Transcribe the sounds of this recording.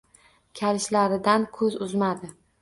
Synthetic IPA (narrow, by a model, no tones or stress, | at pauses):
kʲʰaɾɪʃlaɾɪd̪ankʰɵzʊzmad̪ɪ